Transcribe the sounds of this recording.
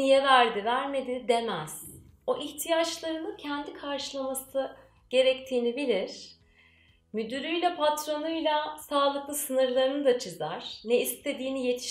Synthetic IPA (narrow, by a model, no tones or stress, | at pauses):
ijɛvæɾd̪ivæɾme̞d̪id̪e̞mæz̥ | o̞ʔiçt̪ʰijat͡ʃlˠaɾɯnɯcʰɛnd̪ikʰaɾʃɯlˠamasɯ | ɟ̥e̞ɾɛc̚t̪ʰiːnibilʲiɾ̥ | myd̪yɾyjlʲɛpʰat̪ɾo̞nujlʲˠasaːlˠɯklˠɯsɯnɯɾlˠaɾɯnɯd̪at͡ʃʰɯzaɾ̥nɛist̪ʰe̞d̪iːnije̞t̪ʰi̥ʃ